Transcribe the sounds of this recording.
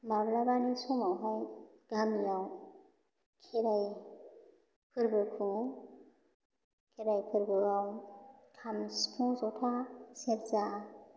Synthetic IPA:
mablabanisumawɦaj | ɡ̥amjaw | kʰeɾaj | pʰɯɾbɯkʰu | kʰeɾajpʰɯɾbɯawkʰamskʰuzɔtʰaseɾza

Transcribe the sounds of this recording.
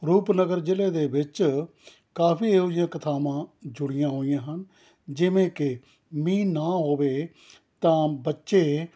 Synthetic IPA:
ɾuːpnəɡəɾd͡ʒɪleːd̪eːbɪt͡ʃ | kaːpiːeːoːɪjãːkət̪ʰaːmãːd͡ʒʊɽɪjãːɦoːɪjãːɦən | d͡ʒɪʋẽːkɪ | mĩːnaːɦoːʋeː | t̪ãːbətːʃeː

